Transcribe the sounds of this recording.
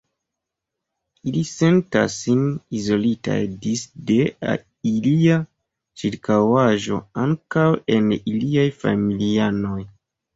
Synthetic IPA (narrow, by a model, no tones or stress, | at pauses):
ilise̞nta̰sːinizo̞lita̰jdisde̞a̰ | ilia | t͡ʃiɾkawaʒo̞̰aŋkawe̞niliajfa̰miliano̞j